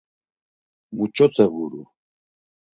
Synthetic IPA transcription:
mut͡ʃʼɔt̪ʰɛvuɾṵ

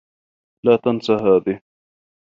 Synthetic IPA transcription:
laːt̪ansaɦaːðɪh

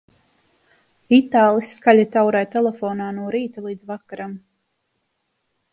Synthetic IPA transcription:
vit̪aːlˠisːkalʲat̪awɾajt̪ɛlˠefoːnaːnuɔɾiːt̪ulˠiːd̪zvakaɾam

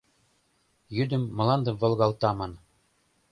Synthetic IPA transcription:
jyd̪ɘ̆mːɤ̆lˠɑnd̪ɤ̆vɤ̆lˠɡɑlˠt̪ɑmɑn

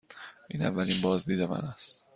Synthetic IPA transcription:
ʔiːnæ̰vːælinbɒːzd̪iːd̪emæ̰næst̪

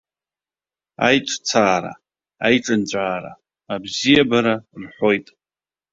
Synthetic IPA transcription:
a̰jʈ͡ʂʷʰʼt͡sʰaːɾa̰ | ajʈ͡ʂʼɨnt͡ɕʷʼaːɾa̰ | abzijabaɾarħʷo̞jtʼ

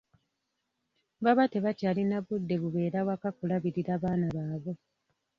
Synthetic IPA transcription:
βaβate̞βacaːlinaβudːe̞βuβe̞ːɾawakakulaβiɾiɾaːβaːnaβaːβo̞

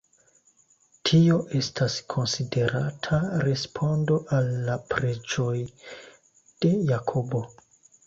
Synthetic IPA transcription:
tʰio̞ʔe̞stʰaskʰo̞nside̞ɾatʰaɾe̞spʰo̞ndo̞ʔalːapɾe̞d͡ʒo̞j | d̥e̞jakʰobo̞

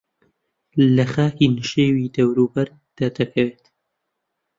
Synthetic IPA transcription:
lɐxaːkinɨʃeːwiːd̪ɐwɾuːbɐɾ | d̪̥ad̪ɐkʰɐweːt̪

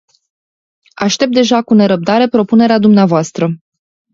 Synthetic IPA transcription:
aʃt̪e̞p̚t̪̚d̪e̞ʒakune̞ɾəp̚d̪aɾe̞pɾo̞pune̞ɾead̪umneavoast̪ɾə

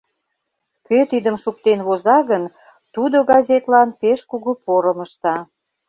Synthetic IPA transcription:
køt̪id̪əmʃuk̚t̪enβozɑɣən | t̪ud̪oɡɑzʲet̪lɑnpeʃkuɣupoɾəməʃt̪ɑ

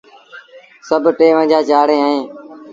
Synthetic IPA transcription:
səbʱʈeːʋə̃ːd͡ʒaːt͡ʃaːɽẽːaːɦẽː

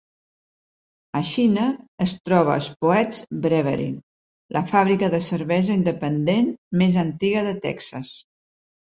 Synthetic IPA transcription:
əʃinəːst̪ɾɔβ̞ə̰ə̰spuɛd͡zbɾɛβə̰ɾḭ | lʔəfaβɾikəðəsəɾβɛzəind̪əpənd̪enmezənt̪iɣəðət̪ɛ̰ksəs

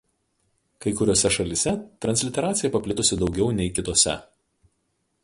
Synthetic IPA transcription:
kɐɪkʊɾʲoːsʲɛʃɐlʲɪsʲɛt̪ɾɐnʲsʲlʲɪt̪ʲɛɾɑːt̪sʲɪjɛpɐpʲlʲɪt̪ʊsʲɪd̪ɒʊɡʲɛʊnʲɛɪkʲɪt̪oːsʲɛ̰

